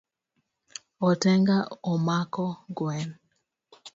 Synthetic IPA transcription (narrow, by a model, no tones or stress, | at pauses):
ɔtɛŋɡaɔmakɔɡwɛn